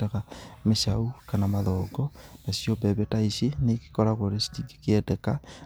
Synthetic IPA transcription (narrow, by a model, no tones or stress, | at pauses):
tekameʃaukanamaðoːɡonasjobeβetaiʃineki̥koɾakwoɾesi̥tiɡi̥kedeka